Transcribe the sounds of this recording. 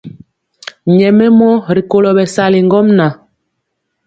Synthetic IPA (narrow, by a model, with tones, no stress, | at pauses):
ɲɛ˨mɛ˦mɔ˦ɾi˨ko˨lɔ˨bɛ˨sa˨li˨ŋ˦ɡɔ˦mna˨